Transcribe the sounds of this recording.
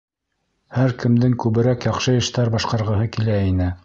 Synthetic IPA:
hæɾkɘ̆md̪ɘŋkʉβɘ̆ɾækjɑχʃɤjɤ̆ʃt̪ɑɾbɑʃqɑɾʁɤ̆ɦɤkilæinɘ

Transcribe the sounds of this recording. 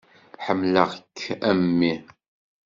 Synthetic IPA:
ħəmːləʁəkʰːæmːi

